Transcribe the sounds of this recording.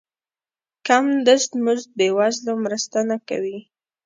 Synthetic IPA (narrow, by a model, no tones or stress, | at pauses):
kamd̪əʂt̪muʒd̪əwazlamɾəst̪anaka̰wi